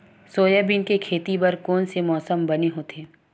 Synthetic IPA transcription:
soːjəbɪnkekʰeːt̪ibɐɾkoːnsemɔːsəmbɐneɦoːt̪ʰeː

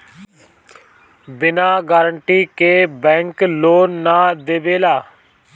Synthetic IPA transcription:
bɪnaːɡaːɾəɳʈiːkeːbɛ̃ːŋkloːnːãːd̪eːʋeːlaː

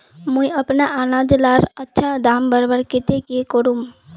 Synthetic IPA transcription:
mũiəpnaʔanad͡ʒlaɾətːʃʰad̪ambəɾbəɾket̪ekekəɾum

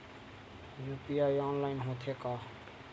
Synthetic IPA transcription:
juːpiːaːiaːnlaːɪnɦoːt̪ʰeːkaː

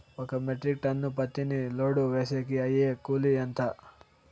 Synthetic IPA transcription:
okɐmeʈɾik̚ʈɐnːupɐt̪ːiniloːɽuʋesekiɐjekuliɐnt̪ʰɐ

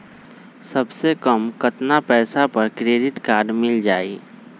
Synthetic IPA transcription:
sɐbsekəmkət̪napɛːsapəɾkɾeːɖɪʈkaːɾɖmɪld͡ʒaːi

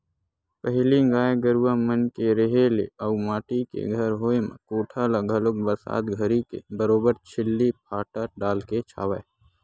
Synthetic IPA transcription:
pəɦliɡaːeɡəɾuwamənkeɾeɦelḛəumaːʈikḛɡʱəɾɦoːemḛ̃koːʈʰalaɡʱɐlʊk̚bəɾsa̰ːt̪ɡʱəɾikḛbəɾoːbəɾt͡ʃʰɪlːipʰaːʈəɾɖaːlket͡ʃʰa̰ːʋa

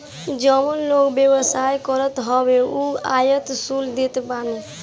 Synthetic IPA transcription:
d͡ʒəmənloɡbjebəsajkɔɾət̪ɦɔbeuajət̪suld̪et̪bane

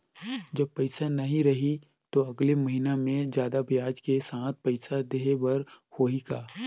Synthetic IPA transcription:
d͡ʒɐb̚pɐɪsanɐɦĩɾɐɦi | t̪oɐɡlemɐɦinamẽd͡ʒjaːd̪abʱjaːd͡ʒkesãːt̪̚ʰpɐɪsad̪eːɦbɐɾhoːiɡaː

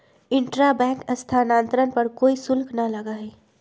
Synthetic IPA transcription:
ɪ̃ɳʈɾabɛ̃ːŋkəst̪ʰanãːnt̪ɾənpɐɾkoːisʊlkʰnalɐɡaɦɛː

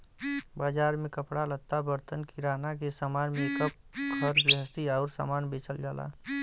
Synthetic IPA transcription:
baːd͡ʒaːɾmẽkəpɽalət̪ːabəɾt̪ənkiɾaːnakesaːmaːnmẽkəp̚kʰəɾbəɦəst̪iaːʊɾsa̰ːmaːnbeːt͡ʃəld͡ʒaːla̰ː

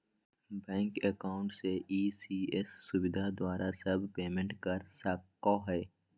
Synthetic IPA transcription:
bɛ̃ːŋkɛkaːʊ̃ɳʈseʔiːsiːɛsːʊwɪd̪ʱad̪waːɾʔasɐbʱpeːmɛ̃ɳʈkɐɾsakːɔːɦɛː

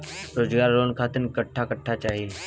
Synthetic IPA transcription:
ɾoːd͡ʒɡaːɾːoːnkʰaːt̪ɪnkəʈʰːakəʈʰːat͡ʃaːɦie

